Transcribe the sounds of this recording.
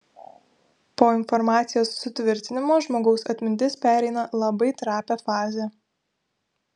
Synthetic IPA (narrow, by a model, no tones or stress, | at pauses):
poːɪnfɔɾmɑːt̪sʲɪjoːsːʊt̪ʲʋʲɪɾʲt̪ʲɪnʲɪmoːʒmoːɡɒʊsɐt̪ʲmʲɪnʲt̪ʲɪspʲæːɾʲɛɪnɐlˠɐbɐɪt̪ɾɑːpʲæfɑːzʲe